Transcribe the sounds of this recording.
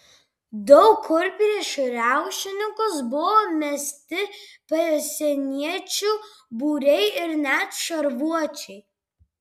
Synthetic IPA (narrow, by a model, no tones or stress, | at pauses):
d̪ɔʊkʰːʊɾʲpʲɾʲeʃɾʲæˑʊʃʲɪnʲɪŋkʊsbʊʋoːmʲɛsʲt̪ʲɪpʲɐsʲɛnʲiɛt͡ʃʲubuːɾʲɛɪɪɾnʲæt̪ʃɐɾʋuɔt͡ʃʲɛɪ